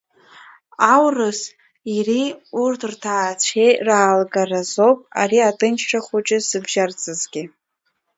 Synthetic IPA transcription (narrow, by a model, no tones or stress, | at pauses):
awrɨs | iriurtʰɨrtʰaːt͡ɕʷʰejraːlɡarazowpʼa̰riatʼɨnt͡ʃʰʃaχʷʊt͡ʃʼɪsɨbʒart͡sʼɨzɡʲɪ